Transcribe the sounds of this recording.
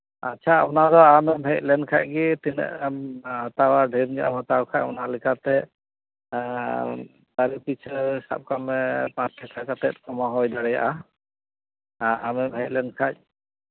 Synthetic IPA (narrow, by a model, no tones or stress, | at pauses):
a̰tːt͡ʃʰaa̰pɔnad̪ɔamɛmɦɛc̚ˀlɛnkʰac̚ɡit̪inɛ̰ʔamhɔt̪awaɖʱɛɾd͡ʒaʔamɔt̪awkʰac̚ɔnalikat̪ɛ | d̪aɾipit͡ʃʰsa̰p̚kamɛpãt͡ʃʈ̪ʰːɛkʰakat̪ɛt̪̚kɔmaɦɔjd̪aɽɛja̰ʔa | amɛmɦɛc̚lɛnkʰac̚ˀ